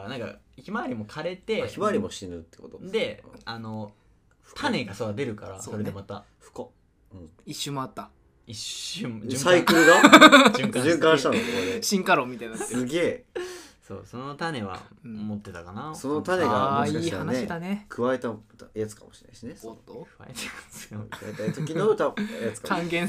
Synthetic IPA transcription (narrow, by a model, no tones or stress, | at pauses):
nãŋka̰ | çimaːɾʲimo̞kʰaɾe̞t̪e̞çimaɾʲimoɕinɯ̟t̪ːe̥ko̞t̪odd̪ẽ̞̰ano | t̪ʰane̞ɡasoad̪e̞ɾɯ̟kaɾa̰ssoo̞ɾed̪emat̪a | ɸɯ̟̥ko | ɯ̃ | iɕːɨmo̞at̪ːa | iɕɨsaikɯɾɯɡa | kʑɨ̃ŋkãɕi̥t̪ãnokekoeɕĩŋkaɾoːmʲit̪ainsɨɡe̞ː | so̰ːso̞not̪ane̞βã̰ | mot̪ːe̞t̪akanaso̞no̞t̪ane̞ɡamoikaihaaneid̪anekʰɯ̟βae̞t̪at̪jat͡sɨ̥kamo̞ɕi̥na̰i̥ɕine̞kɯa̰et̪emḁkkʰɯβaet̪at̪okʲioɾɯt̪ajat͡sɨ̥kakãŋɡẽ